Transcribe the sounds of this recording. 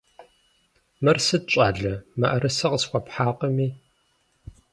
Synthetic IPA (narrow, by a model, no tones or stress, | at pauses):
mɐrsɨt͡ʃʼaːɮɐmɐʔɐɾɨsɐqəsxʷɔpħaːqəmiː